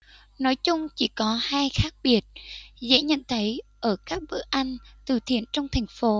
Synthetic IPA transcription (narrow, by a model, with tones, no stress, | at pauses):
nɔ˨˦jt͡ɕʊ˧ŋ͡mt͡ɕi˧˩kɔ˨˦haː˧jxaː˦˥k̚ɓi˨˩ət̚zḛ˧˥ɲə̰˧˨nt̪ʰə˨˦jʔəː˧˩kaː˦˥k̚ɓɨ̰˧˩ʔa˧jŋ̟t̪ɨ̰˨˩t̪ʰḭ˧˨ənt͡ɕɔ˧wŋ͡mt̪ʰa˨˩jŋ̟fo˨˦